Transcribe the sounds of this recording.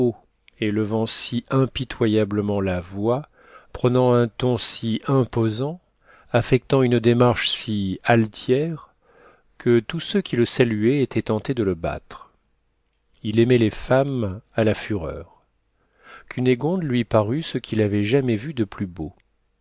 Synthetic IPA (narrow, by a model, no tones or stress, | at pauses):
o | eləvɑ̃siʔɛ̃pit̪ʰwajabləmɑ̃lavwa | pχənɑ̃ɛ̃t̪ɔ̃siʔɛ̃pozɑ̃ | afɛk̚t̪ɑ̃ynd̪emaʁʃsialt̪jɛʁ | kʰət̪usøkʲʰiləsalyɛet̪ʰɛt̪ɑ̃t̪ed̪ələba̰t̪χ | ilemɛlefamalafyʁœ̰ːʁ | kʰyneɡɔ̃d̪lɥipaʁysəkʲʰilavɛʒamɛvyd̪əplybo